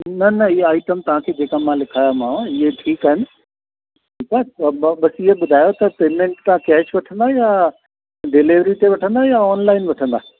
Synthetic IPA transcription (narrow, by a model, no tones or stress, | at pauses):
nɐnɐɪɦeaːiʈəmt̪ɐʋãkʰeːd͡ʑeːkamãlɪkʰaːjamãɪɦeʈʰiːkaːɦɪnɪ̆ | ʈʰiːkaɓɐsɪɦeɓʊd̪ʱaːjot̪ɐpeːmẽɳʈt̪ãkɛːʃʋɐʈʰə̃nd̪aːjaː | ɖɪlɪʋɾit̪eʋɐʈʰə̃nd̪ajaɔːnlaːɪnʋɐʈʰə̃nd̪aː